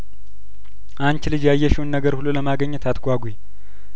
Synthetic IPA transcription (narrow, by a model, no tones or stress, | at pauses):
ʔant͡ʃlɨd͡ʒjajːɛʃɛwnːəɡəɾhululəmaɡəɲːɨt̪ʰat̪ɡʷaɡʷuj